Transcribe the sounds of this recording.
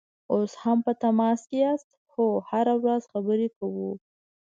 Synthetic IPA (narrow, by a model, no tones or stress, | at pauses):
oshampət̪amɑskejast̪ | xohaɾawɾazxabəɾekawu